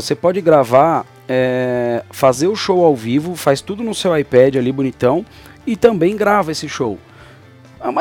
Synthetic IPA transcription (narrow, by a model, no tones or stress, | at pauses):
osepɔd͡ʒɪɡɾavaɾ | ɛ | fazeɾʊʃowawvivʊfast̪ud̪ʊnʊsewajpɛd͡ʒɪalibonit̪ɐ̃w̃ | ɪt̪ɐ̃mbẽj̃ɡɾavɐesɪʃow | am